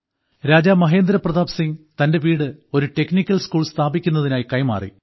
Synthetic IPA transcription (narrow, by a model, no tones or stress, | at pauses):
ɾaːd͡ʑaːmɐɦeːnd̪ɾɐprɐðaːʋsiŋt̪ɐnde̞ʋiːɽɨo̞ɾuʈe̞knikʲːɐlskuːɭst̪ʰaːbikʲːunːɐðinaːjikɐjma̰ːrḭ